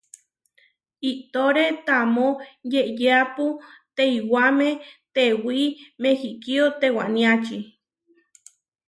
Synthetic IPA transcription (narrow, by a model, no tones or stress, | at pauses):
it̪oɾet̪amojeʔjeaput̪eiwamẽt̪ewimẽhikiot̪ewanĩat͡ʃi